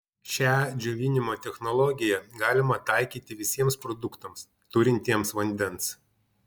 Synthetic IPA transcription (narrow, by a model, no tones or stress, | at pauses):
ʃʲæd͡ʒʲʊʋʲɪnʲɪmoːt̪ʲɛxnɔlˠɔɡʲɪjɛɡɑːlʲɪmɐt̪ɐˑɪkʲiːt̪ʲɪʋʲɪsʲiɛmspɾɔd̪ʊkt̪ɐms | t̪ʊɾʲɪnʲt̪ʲiɛmsʋɐnʲd̪ʲɛns